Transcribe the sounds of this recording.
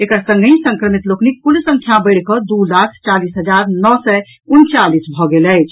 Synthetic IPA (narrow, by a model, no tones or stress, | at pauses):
ekəɾsə̃ŋɡʱĩsə̃ŋkɾəmit̪loknik̚pulsə̃ŋkʰjabəɪɽkɔd̪ulakʰt͡ʃalisɦəd͡ʒaɾnɔsɛ | unt͡ʃalisbʱɔɡelɛjt͡ʃʰ